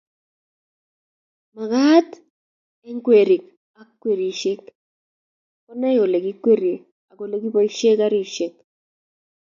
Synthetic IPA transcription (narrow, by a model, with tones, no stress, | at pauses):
ma˨ɣa˦t | e˦ŋkwe˨ɾi˨k | a˦kːwe˨ɾi˨ʃe˦k | kɔ˦na˦o˨le˨ki˦kwe˦ɾi˨ | a˨ko˨le˦ki˦pɔ˦i˦ʃe˦ka˦ɾi˦ʃe˨k̚